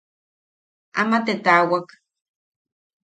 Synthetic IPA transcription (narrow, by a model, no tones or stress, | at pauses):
a̰mat̪et̪awak